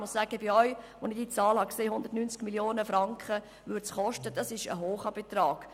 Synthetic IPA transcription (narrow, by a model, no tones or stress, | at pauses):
mʊssæːɡ̥əbɪɔʏʋonɪɡd̥iːt͡sɑːlhɑkseːhʊnd̪ərtnynt͡skmiljoːnəfɾɑŋkχə | ʋʏɾtsχɔʃtəd̥ɑsɪʃə̰ɦoːχɑb̥et̪rɑːɡ̥